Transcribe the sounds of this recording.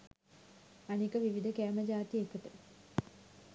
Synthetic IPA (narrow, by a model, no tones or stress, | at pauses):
anikəʋiʋid̪ʱəkæːməd͡ʒaːt̪iekət̪u